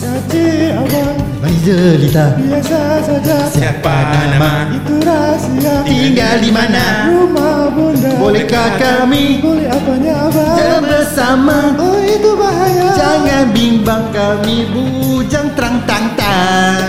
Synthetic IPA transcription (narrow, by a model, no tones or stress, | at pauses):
at͡ʃiababaidənit̪abiasasad͡ʒasiapanamait̪uɾasiat̪iŋɡaldimanaɾumabundabolɛhkakamibolɛɦabaɲaabad͡ʒabəsamaoit̪ubaɦajad͡ʒaŋanbimbaŋkamibu | d͡ʒaŋt̪əɾaŋt̪aŋt̪a